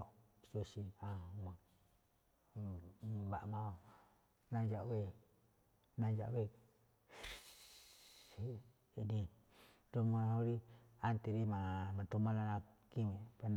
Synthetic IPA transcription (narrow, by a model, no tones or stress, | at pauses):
sosiama | ba̰ʔmao | nad͡ʒaʔwe | nad͡ʒa̰wek | ini | domaoɾiant̪iɾimamat̪umalanakimepan